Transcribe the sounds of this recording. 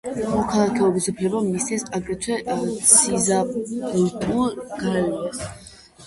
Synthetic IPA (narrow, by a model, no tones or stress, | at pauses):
mɔkʰalˠakʰɛɔbisupʰlɛbamist̪ɛsaɡɾɛt̪ʰwɛsʰizaɛlt̪ʰuɡ̥alɛas